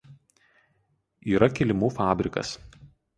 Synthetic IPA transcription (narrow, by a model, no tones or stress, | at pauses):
iːɾɐkʲɪlʲɪmuːfɑːbʲɾʲɪkɐ̰s